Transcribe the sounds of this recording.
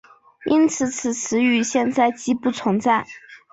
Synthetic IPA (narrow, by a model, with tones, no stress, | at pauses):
i˥nt͡sʰɹ̩˨˩˦t͡sʰɹ̩˨˩t͡sʰɹɻ̩˧˥y˧˥ɕjɛ˥˧nt͡sa˥˩ɪt͡ɕi˥pu˥˩t͡sʰʊ˧˥ŋt͡sa˥˩ɪ